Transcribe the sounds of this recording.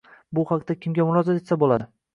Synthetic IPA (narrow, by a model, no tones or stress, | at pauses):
bʊhaqt̪akʲʰɪmɡʲamʊɾɒzat̪e̞t̪sabolˠad̪ɪ